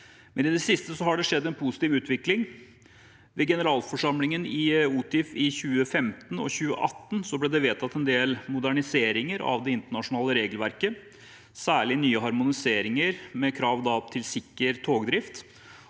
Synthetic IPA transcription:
mɛnɪd̪ɛsɪst̪əsɔhɑɖɛʂɛd̪ːɛnpʰusɪ̥t̪iːʋʉːt̪ʰʋɪklɪŋ | ʋɛɡɛnəɾɑːlfɔʂɑmlɪŋənɪuːt̪ɪfɪçʉːəfɛmt̪ənɔ̰çʉːə̰ʔɑt̪ːənsɔblɛːd̪ɛʋeːt̪ʰɑt̪ːɛnd̪eːlmʊd̪æɳɪseːɾɪŋəɾɑ̰ʋd̪ɛɪnt̪əɳɑʂʊnɑːləɾeːɡəlʋæɾkə | sæːɭɪnyːəɦɑɾmʊnɪseːɾɪŋəɾmɛkʰɾɑːʋd̪ɑpt̪ʰɪlsɪkːəɾt̪ʰoːɡd̪ɾɪft̪

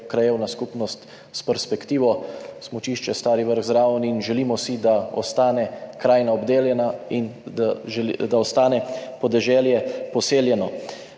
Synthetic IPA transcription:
kɾajewnaskupnɔst̪ | spɛɾspɛkt̪iːʋɔsmɔt͡ʃiʃt͡ʃɛst̪aːɾiʋəɾɣzɾaːwniinʒɛlimɔsid̪aɔ̰st̪aːnɛkɾaːjnaɔbd̪eːljɛnainad̪aɔst̪aːnɛpɔd̪ɛʒɛːljɛpɔseːljɛnɔ

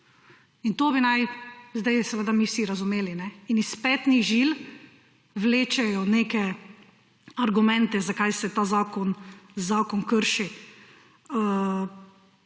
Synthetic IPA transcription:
int̪oːbinajzd̪ajsɛʋeːd̪amiwsiɾazumeːlinɛinispɛt̪niʒil | ʋleːt͡ʃɛjɔneːkɛ | aɾɡumɛ̃nt̪ɛzakajsɛt̪aːzaːkɔnzaːkɔnkəɾʃi | ə

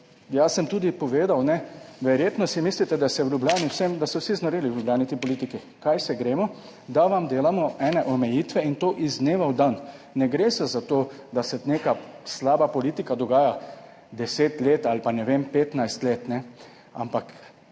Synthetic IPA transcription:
jasəmt̪uːd̪ipɔʋeːd̪awnɛʋɛɾjeːt̪nɔsimiːslit̪ɛd̪asɛwlʲjublʲjaːniwsɛmd̪asɔwsiznɐɾeliwlʲjublʲjaːnit̪ipɔliːt̪iki | kajsɛɡɾeːmɔ | d̪aʋamd̪eːlamɔɛːnɛʔɔmɛjiːt̪ʋɛint̪oːʔizɡneːʋawd̪anːɛɡɾeːsɛzat̪oː | d̪asɛneːkaslaːbapɔliːt̪ikad̪ɔɡaːja | d̪ɛseːt̪leːt̪alpanɛʋempeːt̪najst̪leːt̪nɛ | a̰mpak

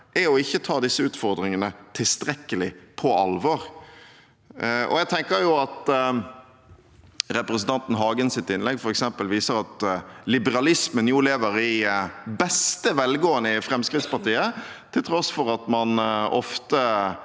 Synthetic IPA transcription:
ʔæɔɪçːət̪ʰɑːd̪ɪsːəʉːt̪fɔʁd̪ɾɪŋənət̪ʰɪlst̪ɾɛkːəlɪpʰɔʔɑ̰lʋɔːʁ | ɔ̰jæɡ̚t̪ʰɛŋkəɾjʊɑt̪ | ɾɛpɾɛsnt̪ʰɑnt̪n̩ɦɑːɡənsɪt̪ːɪnlɛɡfɔɾɛksɛmpəlʋiːsəɾɑt̪lɪbəɾɑlɪsmənjuːleːʋəɾɪbɛst̪əʋɛlɡoːənəɪfɾɛmskʁɪt̪spɑʁt̪iːət̪ʰɪlt̪ʰɾɔsfɔʁɑt̪mɑnɔ̰ft̪ə

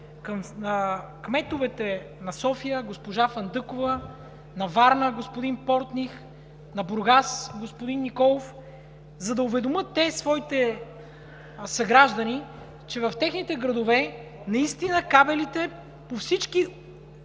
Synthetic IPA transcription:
kɐmnəkmɛt̪ʊvɛt̪ɛ | nɐsɔfijəɡospoʒafɐnd̪ɤkʊvə | nɐvaɾnəɡospʊd̪inpɔɾt̪nix | nɐbʊɾɡasɡospʊd̪inːikɔlˠof | zɐd̪ɐʊvɛd̪omɤt̪ːɛsvɔit̪ɛ | sɐɡɾaʒd̪ɐni | t͡ʃɛvɐft̪ɛxnit̪ɛɡɾɐd̪ovɛ | nɐist̪inəkabɛlit̪ɛ | pofsit͡ʃki

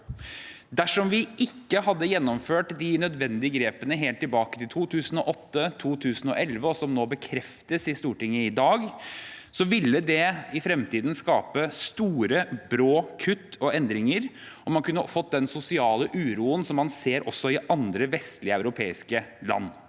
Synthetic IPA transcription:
d̪æʂɔmʋɪʔɪkːəhɑd̪ːəjɛnːɔmføːʈd̪ɪnœd̪ʋɛnd̪ɪəɡɾeːpənəɦeːlt̪ːɪlbɑːkət̪ɪlt̪ʰuːt̪ʰʉːsənɔʔɔt̪ːət̪ʰuːt̪ʰʉːsn̩ɔ̰ʔɛlʋəɔsɔmnoːbəkʰɾɛft̪əsɪst̪uːʈɪŋːəɪd̪ɑːɡsɔʋɪlːəd̪ɛɪfɾɛmt̪iːd̪n̩skɑːpəst̪uːɾəbɾoːkʰʉt̪ːɔɛnd̪ɾɪŋəɾ | ʔɔmɑnkʉnːəfɔt̪̚ːd̪ɛnsʊsɪɑːləʔʉːɾuːənsɔmːɑnseːɾʔɔsːɔɪʔɑnd̪ɾəʋɛst̪lɪəæʉɾʊpʰeːɪskəlɑ̰nː

